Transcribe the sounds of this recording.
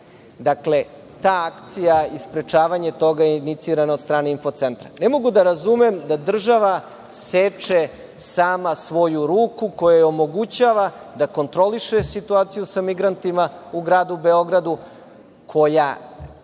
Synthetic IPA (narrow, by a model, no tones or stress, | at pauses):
d̪akle̞ | t̪aːakt̪sijaispɾe̞t͡ʃaːʋaɲe̞t̪o̞ɡajenit̪siɾanaod̪st̪ɾaːne̞info̞t̪se̞nt̪ɾa̰ne̞mo̞ɡud̪aɾazumemd̪ad̪r̩ʒaʋa | set͡ʃe | saːmasʋo̞juɾuːkuko̞jajeo̞mo̞ɡut͡ɕaːʋa | d̪ako̞nt̪ɾo̞liʃesit̪uaːt̪sijusamiɡɾant̪imauɡɾaːd̪ube̞o̞ɡɾad̪u | kʰo̞ja